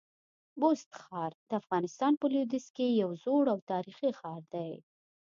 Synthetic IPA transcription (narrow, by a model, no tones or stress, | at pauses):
bost̪xɑɾd̪̥əafɣɑnɪst̪ɑnpəlud̪ɪskejawzoɽawt̪ɑɾixixɑɾd̪aj